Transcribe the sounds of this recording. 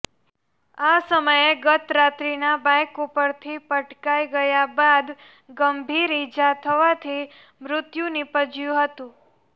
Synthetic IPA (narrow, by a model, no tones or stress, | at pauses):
asəməjeɡət̪ɾat̪ɾinabajkupəɾt̪ʰipəʈkajɡəjabad̪ | ɡəmbʱiɾid͡ʒat̪ʰəʋat̪ʰi | mɾʊt̪junipəd͡ʒjũɦət̪ũ